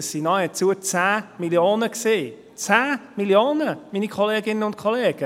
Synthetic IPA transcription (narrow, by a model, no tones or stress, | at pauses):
əssinɔɪət͡suət͡sæːmiljoːnəkseː | t͡sæːmiljoːnəminikʰɔleːɡɪnənʊnt̚kʰɔleːɡ̥ə